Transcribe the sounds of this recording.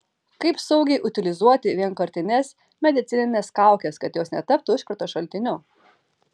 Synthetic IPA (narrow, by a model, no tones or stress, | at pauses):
kɐɪpsɐʊɡʲɛɪʔʊt̪ʲɪlʲɪzuɔt̪ʲɪʋʲiɛnkɐɾʲt̪ʲɪnʲɛs | mʲɛd̪ʲɪt̪sʲɪnʲɪnʲeːskɑˑʊkʲɛskɐt̪joːsnʲɛt̪ɐp̚t̪ʊɪʃkɐɾt̪oːʃɐlʲt̪ʲɪnʲʊ